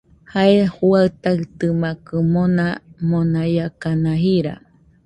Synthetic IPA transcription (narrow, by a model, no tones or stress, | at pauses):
haehuaɨt̪aɨt̪ɨmakɨmonamonajakanãɦiɾa̰